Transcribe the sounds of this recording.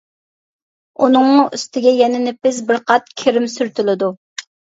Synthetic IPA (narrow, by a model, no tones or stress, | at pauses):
unɨŋʊʔyst̪ʰɪɡʲɛjɛnɪnɪpɪzbɪɾqʰɑt̪̚kʲʰeɾɪmsyɾt̪ʰylɪd̪u